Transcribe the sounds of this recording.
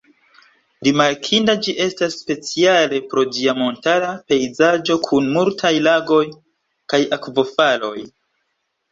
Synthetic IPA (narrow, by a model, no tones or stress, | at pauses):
ɾimaɾkʰindad͡ʒiʔe̞stasːpe̞t͡siale̞pɾo̞diamo̞ntalape̞jzad͡ʒo̞kʰunmultʰajlaɡo̞j | kajakvo̞falo̞̰j